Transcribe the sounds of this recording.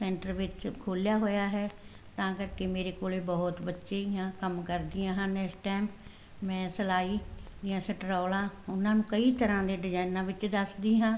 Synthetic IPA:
sɛ̃ːɳʈəɾʋɪt͡ʃkʰoːljaːɦoːjaːɦɛː | t̪ãːkəɾkeːmeːɾeːkoːleːbɔːʊt̪bətːʃeːɪjãːkəmkəɾd̪ijãːɦãːnɛksʈɛːm | mɛ̃ːsəlaːiːd͡ʒɪjãːsəʈɾɔːlãːʊnãːnũːkəiːt̪əɾãːd̪eːɖɪzaːnãːʋɪt͡ʃd̪əsd̪iːɦãː

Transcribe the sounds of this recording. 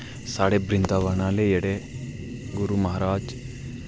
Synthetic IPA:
saːɽebɾind̪aʋɐɳaːleɛɽe | ɡuɾumɐɦaɾaːd͡ʒ

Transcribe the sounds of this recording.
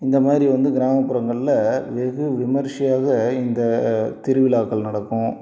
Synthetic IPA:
ɪnd̪ɐmaːd̪ɪɾiʋɐnd̪ɯɡɪɾaːmɐpːʊɾɐŋɡɐɭɪlɐʋɛɣɯʋɪmɐɾʂɪjaːɣɐɪnd̪ɐt̪ɪɾɯʋɪlaːkːɐɭnɐɽɐkːʊ̃

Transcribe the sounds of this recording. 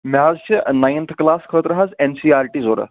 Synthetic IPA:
mazɕinajnt̪ʰklaskʰət̪ɾɐɦat͡sensiːaɾʈiːzoɾə̰

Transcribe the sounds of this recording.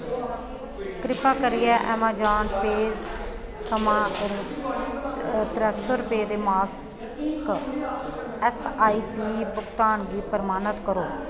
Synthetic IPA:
kɾɪpaːkəɾɪɛːʔɛ̰ːmãːd͡ʒaːnpeːz | kəmãː | t̪ɾɛːsəɾpeːd̪eːmaːs | k | ɛsaːiːpiːpʊkt̪aːnɡiːpəɾmaːnət̪kəɾoː

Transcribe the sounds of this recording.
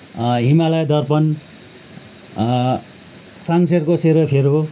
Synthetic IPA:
ɦimalʌjd̪ʌrpʌn | saŋserkoseɾʌpʰeɾo

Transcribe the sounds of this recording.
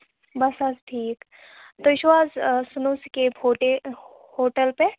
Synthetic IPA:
bɐsɐsʈʰiːk | t̪oɪʃʋaːzsʊnuskeoʈe | hoːʈəlpe

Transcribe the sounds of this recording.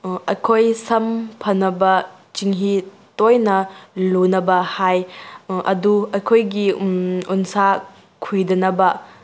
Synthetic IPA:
ɐjkʰojsɐmpʰɐnɐbɐ | t͡ʃiŋɦi | tojnɐlunɐbɐhajʔɐ̰duɐjkʰojɡiunsa | kʰujdɐnɐbɐ

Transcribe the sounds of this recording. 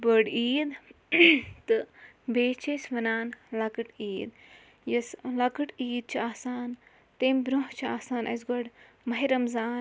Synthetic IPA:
bəɖiːd̪ | t̪ɨ | beːt͡ʃʰesʋɐnaːnlɐkɨʈiːd̪ | jɐslɐkɨʈiːd̪̚t͡ʃʰiaːsaːn | t̪eːmbɾuɦt͡ʃʰia̰ːsaːnʔɐ̰s̬ɡɐɽ | mɐɦiɾɐmzaːn

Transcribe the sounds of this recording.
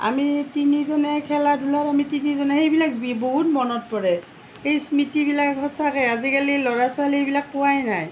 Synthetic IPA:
a̰mitinizɔnɛkʰɛladʱulatamitinizɔnɛxejbilak̚boɦutmɔnɔt̚pɔɹɛ | xejsmitibilakɦɔsakɛazikalilɔɹasʊalejbilak̚pʊwajnaj

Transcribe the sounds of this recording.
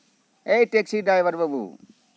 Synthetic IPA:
ejʈeksiɖaːjʋəɾbəbṵ

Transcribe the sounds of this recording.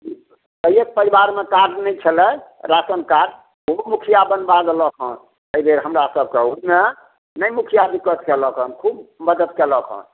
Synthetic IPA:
əjek̚pəɾibaɾmekaɾɖnəjt͡ʃʰəlɛɾasənkaɖ | bomukʰijabənbad̪ləkʰɔ̰̃n | əibʱeɾɦəmɾasəb̚ʱkeume | nəjmukʰijab̪ikət̪keləkʰənkʰubməd̪əd̪keləkʰɔ̰̃n

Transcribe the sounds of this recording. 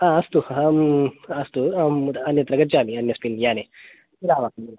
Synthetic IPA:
ãɐst̪uɦaɐst̪uɐnjɐt̪ɾɐɡət̪̚d͡ʑaːmiɐnːjɐspinjaːne | iɾaːʋak

